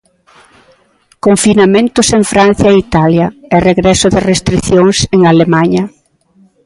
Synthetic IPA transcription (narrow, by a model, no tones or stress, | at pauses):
koɱfinamẽnt̪ʊseŋfɾan̟θjɐeit̪aljɐɛreɣɾɛsʊðɪrest̪ɾiθjoŋseŋalemaɲɐ